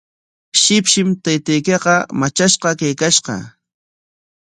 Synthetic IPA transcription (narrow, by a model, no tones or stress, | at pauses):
ʃɪpʃɪmt̪ajt̪ajkeqɑmat͡ʃaʃqɑkajkaʃqɑ̰